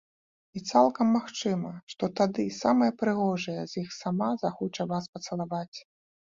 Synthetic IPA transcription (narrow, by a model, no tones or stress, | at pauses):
it̪salˠkɐmːaxt͡ʂɨmɐʂt̪ɔt̪ad̪ɨsamɐjɐpɾɨɣɔʐɐjɛzʲjixsamazaxɔt͡ʂɐvaspɐt̪sɐlˠavat͡sʲ